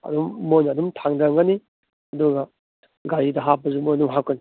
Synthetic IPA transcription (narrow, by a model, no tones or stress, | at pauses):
ɐ̰dumːojnadumtʰaŋdaŋɡani | ɐduɡɐ | ɡaɾidɐɦapːɐzumojnumɦakɐni